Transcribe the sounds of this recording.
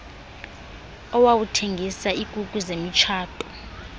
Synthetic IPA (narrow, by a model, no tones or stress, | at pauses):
ɔwawutʰeŋɡʱisaikʼukʼuzemit͡ʃʰaːtʼɔ̥